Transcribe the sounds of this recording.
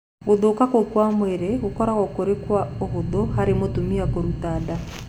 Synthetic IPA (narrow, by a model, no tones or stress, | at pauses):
ɣoðokakokwamweɾeɣokɔɾaɣɔkoɾekwaohoðohaɾemotumiakoɾutaːda